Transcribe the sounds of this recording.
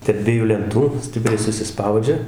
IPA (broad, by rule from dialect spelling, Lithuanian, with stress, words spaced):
tʲɛrp ˈdʲʋʲiɛjuː lʲɛnˈtuː ˈsʲtʲɪpʲrʲɛɪ sʊsʲɪˈspɐʊd͡ʒʲɛ